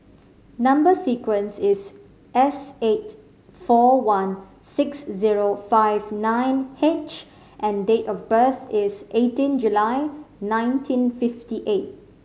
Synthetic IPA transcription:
nãmbəsikwə̃nsɪs | ʔɛset̚ | fɔwãn | sɪksziɹofaɪvnãɪ̃nhet͡ʃ | ʔɛ̃ndetɔfbəθɪsʔetĩnd͡ʒulaɪnãɪ̃ntʰĩnfɪftiʔet̚

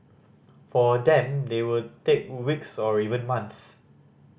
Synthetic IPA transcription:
fɔdɛ̃mdewutek̚wiksɔɹivə̃nmãnts

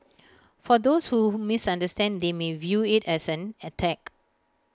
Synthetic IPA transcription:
fɔdoshumɪsãndəstɛ̃nd̪emevjuɪtɛsɛ̃nətʰɛk

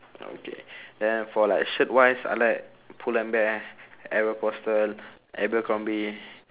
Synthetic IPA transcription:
o̰kʰḛdɛ̃nfɔlaɪkʃit̚wajsa̰ɪlaɪk | pʰulɛ̃nbɛkɛɹopɔstəl | ʔɛ̰bəkɔ̃mbi

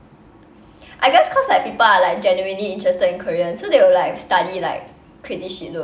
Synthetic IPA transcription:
ʔaɪɡɛskʰɔslaɪjk̚pipəlalaɪk̚d͡ʒɛnjuĩnliĩntʰɹɛstədĩnkʰəɹiə̃nsodewəlaɪkstadilaɪk̚ | kʰːɹitiʃilu

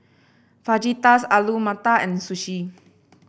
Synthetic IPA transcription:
fad͡ʒit̪asalumat̪aɛ̃nsuʃi

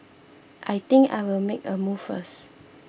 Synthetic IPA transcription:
ʔajt̪ɪ̃ŋka̰ɪwɪlmekəmuffəs

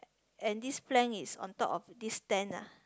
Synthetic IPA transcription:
ɛ̃ndisplɛ̃nisɔ̰̃ntɔpɔfdistɛ̃na̰

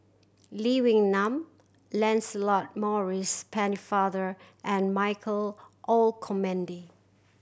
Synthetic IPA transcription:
liwɪ̃ŋnãm | lɛ̃nsəlɔt̚mɔɹispʰɛnifaðə˞ʔɛ̃nmaɪjkʰəl | ʔolkʰɔmɛ̃ndi

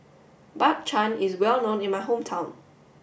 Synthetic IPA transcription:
bak̚t͡ʃʰãnɪzwɛlˠnõnɪ̃nmajɦõmtʰãʊ̃n

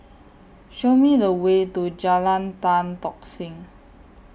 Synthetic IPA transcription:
ʃomiləwet̪od͡ʒalant̪ant̪ɔk̚sɪŋ

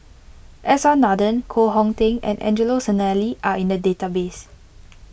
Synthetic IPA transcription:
ʔɛsɔ̃nɔdə̃nkʰoɦɔ̃ŋtẽŋɛ̰̃nʔɛ̰̃nd͡ʒəlosənaliʔaʔĩndədetabes

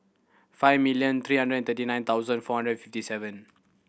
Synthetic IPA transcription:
faɪvmiljə̃nt̪ʰɹiːɦãndɹədɛ̃nt̪ətinãɪj̃nt̪ʰawzə̃nfɔhãndɹədfiftisɛvə̃n

